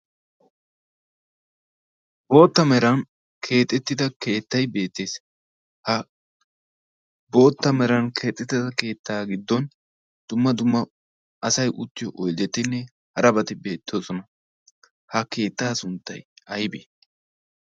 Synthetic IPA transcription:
bo̞ːt̪ːɐmɛɾɐn | kʰe̞ːt̪ʼːɛt̪ːɪd̪ɐke̞ːt̪ːɐjbe̞ːt̪ːe̞ːs | hɐ | bo̞ːt̪ːɐmɛɾɐnkʰe̞ːt̪ʼːɛt̪ːɪd̪ɐke̞ːt̪ʰːaːɡɪd̪ːɔn | d̪̥ʊmːɐd̪ʊmːɐ | ɐsɐjʔʊt̪ːɪjɔʔɔjd̪ɛt̪ːɪnːɛ | hɐɾɐbɐt̪ɪbe̞ːt̪ːoːsɔnɐ | hɐke̞ːt̪ːaːsʊnt̪ːɐ̰jɐjbe

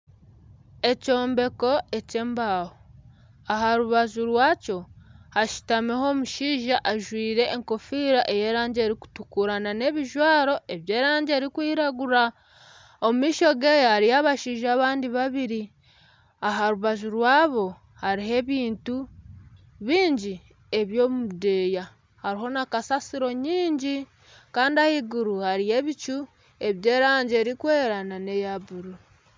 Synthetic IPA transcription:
e̞co̞ːmbe̞ko̞e̞ce̞ːmbaːho | aɦaɾuβazuɾwaːco̞haʃi̥tameɦo̞ːmuʃiːʒaʔaʒwiːɾe̞ːŋko̞fiːɾaʔeje̞ːɾaːɲɟe̞ːɾiku̥tukuɾanane̞βiʒwaːɾo̞e̞βje̞ːɾaːɲɟe̞ːɾikwiːɾaɡuɾa | omumiːʃo̞ɡe̞ːjohaɾijaβaʃiːʒaːβaːndiβaβiɾi | aɦaɾuβaʒuɾwaːβo̞ | haɾiɦe̞βiːntu | βiːɲɟi | e̞βjo̞ːmuude̞ːja | haɾiɦo̞nakasasiɾo̞ɲiːɲɟi | kaːndiahiɡuɾuhaɾije̞βit͡ʃu | e̞βje̞ːɾaːɲɟeːɾikwe̞ːɾanane̞jabuɾu

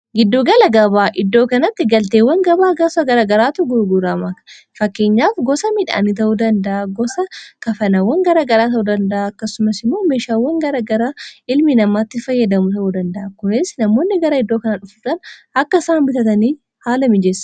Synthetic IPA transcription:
ɡɪd̪ːoːɡɐlɐɡɐβaːʔɪd̪ːo̞ːkɐnɐt̪ːɪɡɐlt̪eːwːɐŋɡɐbaːɡɐsɐɡɐɾaːɡɐɾaːt̪ʊɡʊɾɡuɾaːmɐkɐ̥ | fɐkːeːɲːaːfɡɔsɐmɪᶑa̰ːnit̪̬ɐʔuːd̪ɐnd̪ɐʔaɡɔsɐkɐfɐnɐwːɐŋɡɐɾaːɡɐɾaːt̪ɐʔuːd̪ɐnd̪ɐʔaːkːɐsːʊmɐsɪmːo̞ːmeːʃaːwːɐŋɡɐɾaːɡɐɾaːɪlmɪnɐmaːt̪ːɪfɐjːɐd̪ɐmʊt̪ɐʔuːd̪ɐnd̪ɐʔakʊnɛsnɐmoːnːɪɡɐɾɐɪd̪ːo̞ːkɐnɐᶑʊfut̪ɐnɐkːɐsaːmbɪt̪ɐt̪ɐniː | haːlɐmɪd͡ʒɛs

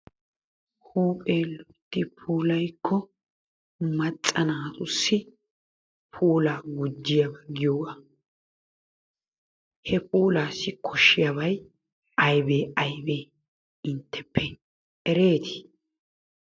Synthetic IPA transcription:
huːpʼeːlɔt̪ːɪpʰuːlɐjkʰːɔ | mɐt͡sʼːɐnaːt̪ʊsːɪ | pʰuːlaːɡʊd͡ʒːɪjɐbɐɡɪjoːɡa | hɛpuːlaːsːɪkʰɔʃːɪjaβɐj | ɐjbeːɐjbeː | ɪnt̪ʰːɛpʰːɛ | ɛɾe̞ːt̪ɪ̥

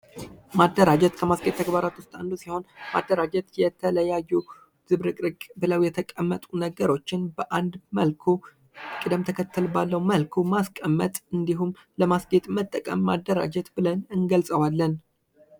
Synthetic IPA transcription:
mad̪ːəɾad͡ʒɛt̪kʰəmasɡet̪ːʰəɡbaɾat̪wʊst̪ʼa̰nd̪usiho̞nma̰d̪ːəɾad͡ʒɛt̪jɛt̪ʰələjajːu | z̥ɨβɾɨkʼɾɨkʼbɨləwjɛt̪ʰəkʼəmːət̪ʼunəɡəɾo̞t͡ʃːɪnbəʔand̪məlkʰu | kʼɨd̪əmt̪ʰəkʰət̪ʰːɨlbalːəwməlkʰumaskʼəmːət̪ʼɨnd̪iɦumləmasɡe̞t̪ʼmət̪ʼːəkʼə̰mːad̪ːəɾa̰d͡ʒɛt̪bɨlənɨŋɡəlsʼəwalːən

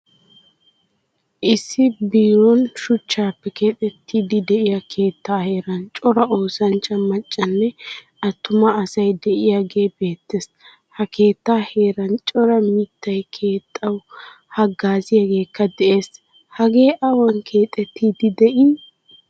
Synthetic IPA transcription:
ʔɪsːɪbiːɾɔnʃʊt͡ʃːaːpːɛke̞ːt̪ʼɛt̪ʰːiːd̪ɪd̪ɛʔɪjɐkʰe̞ːt̪ːaːhe̞ːɾɐnt͡ʃʼɔɾɐo̞ːsɐnt͡ʃʼɐmɐt͡ʃʼːɐnːɛ | ɐt̪ːʊmɐːsɐjd̪ɛʔɪjaɡe̞ːbe̞ːt̪ːes | hɐkʰe̞ːt̪ːaːhe̞ːɾɐnt͡ʃʼɔɾɐmɪt̪ːɐjkʰe̞ːt̪ʼːɐw | hɐɡaːzɪjaɡe̞ːkːɐd̪ɛʔe̞ːs | hɐɡe̞ːʔɐwɐnkʰe̞ːt̪ʼɛt̪ːiːd̪ɪd̪ɛʔɪ

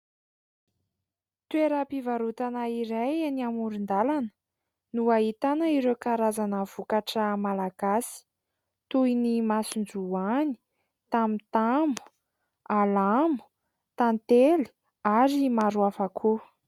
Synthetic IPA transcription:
t̪weɾapivaɾut̪anaiɾajaniamuɾund̪alanə̥ | nuaɦit̪anəiɾewkaɾazanəv̥ukaʈ͡ʂəmalaɡ̥asi̥ | t̪ujnimasund͡zuani̥ | t̪amit̪amu̥ | alamu̥ | t̪ant̪eli̥ | aɾimaɾuafakʰu

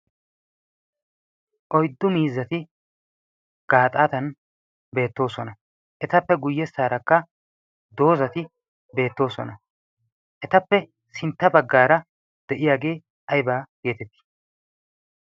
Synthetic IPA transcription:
ʔɔjd̪ːʊmiːzːɐt̪ɪ | ɡ̥aːt̪ʼaːt̪ɐn | be̞ːt̪ːo̞ːsɔnɐ | ʔɛt̪ɐpːɛɡʊjːɛsaːɾɐkːɐ | d̪o̞ːzɐt̪ɪ | be̞ːt̪ːo̞ːsɔ̰nɐ | ʔɛt̪ɐpːɛ | sɪnt̪ːɐbɐɡːaːɾɐ | d̪̥ɛʔɪjaːɡe̞ː | ɐjbaːɡe̞ːt̪ɛt̪ːɪ̥

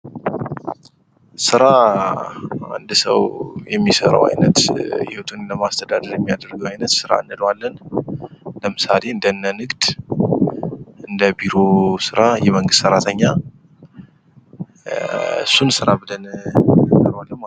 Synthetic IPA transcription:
sɨɾa | a̰nd̪sə̰wjɛmːisəɾə̰wa̰jnə̰t̪hɪhot̪ʰunləmast̪ʰəd̪ad̪əɾjɛmːijad̪əɾɡəwajnət̪sɨɾa̰ɨnːɨlwalːən | ləmɨsale̞ɨnd̪ənːənɨɡd̪̥ | ʔɨnd̪əbiɾosɨɾajɛməŋɡɨst̪səɾat̪ʰəɲːa | ɨsːunsɨɾabɨlən | nəɾwalːəm

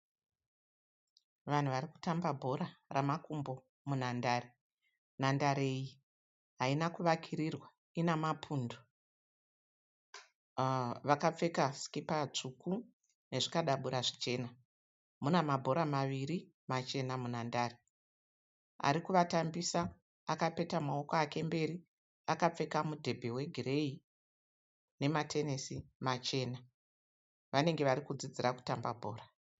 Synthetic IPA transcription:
ʋan̤uʋaɾiku̥tambabʱo̞ɾaramakumbo̞ | mun̤andaːɾe | nandaɾeji | ɦainakuʋakʰiɾirwa | inamapʰundo | ʋakap͡fe̞kaskipat͡ʂuku | ne̞ʐikaɗaɓuɾaʐit͡ʃe̞ːna | munamabʱo̞ɾamaʋiɾi | mat͡ʃe̞namunandaːri | a̰ɾikuʋatambisa | akape̞tamao̞koake̞mbe̞ːri | akap͡fe̞kamudʱe̞bʱe̞we̞ɡʱire̞i | ne̞matʰe̞nesimat͡ʃe̞ːna | ʋane̞ŋɡe̞ʋaɾikud͡zid͡ziɾaku̥tamba̰bʱo̞̰ːra

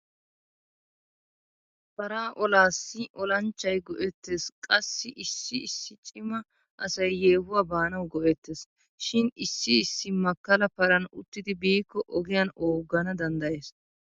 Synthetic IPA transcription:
pɐɾaːʔɔlaːsːɪʔɔlɐnt͡ʃːɐjɡɔʔɛt̪ːeːskʼɐsːɪʔɪsːɪɪsːɪt͡ʃʼɪmɐ | ʔɐsɐjːeːhʊwaːbaːnɐwɡɔʔɛt̪ːeːs | ʃɪnɪsːɪːsːɪmɐkːɐlɐpɐɾɐnʊt̪ːɪd̪ɪbiːkːɔʔɔɡɪjanoːɡːɐnɐd̪ɐnd̪ɐjeːs

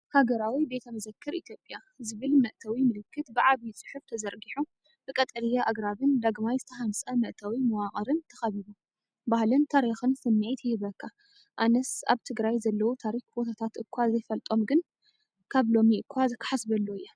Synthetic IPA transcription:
haɡɐɾawibe̞t̪ʰɐmɐzɐkʰːɨɾit̪ʰjo̞pʼja | zɨβɨlmɐʔt̪ʰɐwimɨlɨkːɨt̪bɨʕaβit͡sʼɨ̥ħuft̪ʰɐzɐɾɡiħu | b̥ɨkʼɐt̪ʼɐlijaʔaɡɾaβɨnd̪aɡmajzɨt̪ʰɐɦansʼɐmɐʔt̪ʰawimɐwaχʼɐɾɨnt̪ʰɐxɐβiβu | bahlɨnt̪ʰaɾixɨnsɨmːiʕit̪ʰjɪhɨβɐkːa | ʔanɐsa̰βt̪ʰɨɡɾajzɐlːɐwut̪ʰaɾixbo̞t̪ʰat̪ʰat̪ɨkʰʷːazɐjfɐlt̪ʼo̞mɡɨn | kʰaβlo̞miɨkʰʷːazkʰħasbɐlːoɨjːɐ

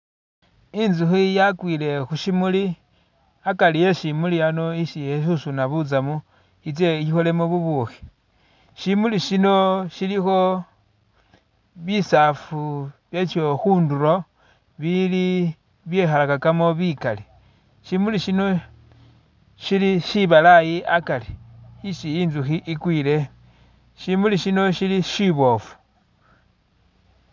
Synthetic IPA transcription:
inzuxijakwiːle̞xuʃimuli | akalijeʃimuliano̞iʃieʃusunaβut͡samu | it͡seixole̞moβuβuxi̥ | ʃimuliʃino̞ʃilixo̞ | βisafuβjet͡ʃoxuːnduɾo̞ | βili | βje̞xalakakamo̞βikale | ʃimuliʃino̞ | ʃiliʃiβalajiʔakaleiʃiinzuxiʔikwiːle̞ | ʃimuliʃino̞ʃiliʃiβo̞fu̥

